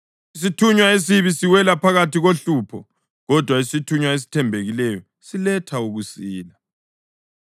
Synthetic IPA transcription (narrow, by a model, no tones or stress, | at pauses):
is̬itʰuɲwaes̬iβisiwɛlapʰaɣatʰiɣoɬuːpʰɔ | ɣɔd̥ʱwaisitʰuɲwaes̬i̥tʰɛmbʱeɣilɛjɔ | silɛtʰauɣusiːla